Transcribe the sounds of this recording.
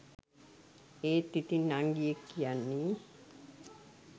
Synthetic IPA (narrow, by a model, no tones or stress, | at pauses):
eːt̪ːit̪inːaŋɡijekːijanːi